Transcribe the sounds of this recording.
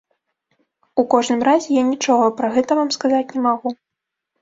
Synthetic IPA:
ukɔʐnɨmɾazʲɛjanʲit͡ʂɔɣɐpɾɐɣɛt̪ɐvamskazat͡sʲnʲɛmaɣu

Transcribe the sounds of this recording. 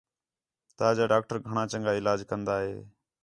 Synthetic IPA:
t̪aːd͡ʒaːɖaːk̚ʈəɾɡʱəɳãːt͡ʃəŋɡaːɪlaːd͡ʒkənd̪aːɦḛː

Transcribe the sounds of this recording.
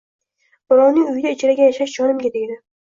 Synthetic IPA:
b̥ʊɾɒwnɪŋʊjɪd̪aɪt͡ʃʰɪɾaɡʲajaʃaʃd͡ʒɒnɪmɡʲad̪ejd̪ɪ

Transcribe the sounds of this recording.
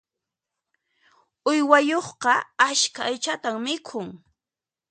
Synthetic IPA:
ʊjwajoχqɑaʃkaːjt͡ʃat̪aŋmɪkʰʊŋ

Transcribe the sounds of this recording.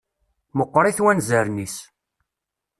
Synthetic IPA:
məqːɾˤiθwænzəɾnis

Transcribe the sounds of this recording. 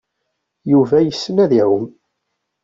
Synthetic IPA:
juvæjəsːənæðæwəm

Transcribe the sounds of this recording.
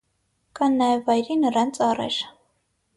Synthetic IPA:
kɑnːɑjɛvɑjɾinəɾɑnt͡sʰɑrɛ̰ɾ

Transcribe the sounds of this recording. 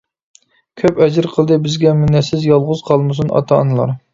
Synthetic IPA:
kʲʰøpɛd͡ʒɪɾqʰəlˠd̪ɨbɪzɡʲɛmynɛsɪzjɑlˠʁʊz̥qʰɑlˠmɨs̬unɑ̰t̪ʰɑnɨlˠɑ̰ɾ

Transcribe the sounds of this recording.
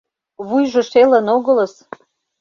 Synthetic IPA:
βujʒə̆ʃelənoɣɤ̆lə̆s

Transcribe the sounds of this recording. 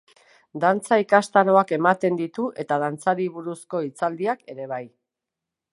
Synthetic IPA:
d̪ant͡saikast̪aɾo̞ake̞mat̪e̞nd̪it̪uʔe̞t̪að̞ant͡saɾiβuɾusko̞it͡sald̪iake̞ɾe̞β̞aj

